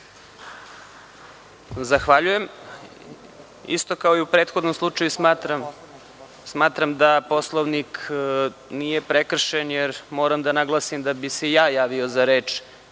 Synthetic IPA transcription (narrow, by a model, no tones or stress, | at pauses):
zaxʋaʎuje̞m | ḭst̪o̞kaoiupɾet̪xo̞d̪no̞mslˠut͡ʃajusmaːt̪ɾam | smaːt̪ɾamd̪aposlˠoʋnik | nije̞pɾekr̩ʃenjeɾmo̞ːɾamd̪anaɡlˠasimd̪abisejaːjaːʋio̞zaɾeːt͡ʃ